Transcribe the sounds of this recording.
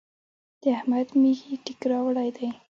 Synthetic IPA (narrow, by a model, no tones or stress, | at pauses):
d̪̥əahmad̪mixiʈɪkɾɑwɽajd̪aj